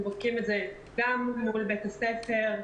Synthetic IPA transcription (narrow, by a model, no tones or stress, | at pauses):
bodkimetze | ɡamːulbetasefe̞ʁ